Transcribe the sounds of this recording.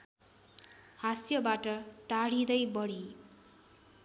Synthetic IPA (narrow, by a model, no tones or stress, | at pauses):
hasjʌbaʈʌt̪aɽid̪ʌjbʌɽi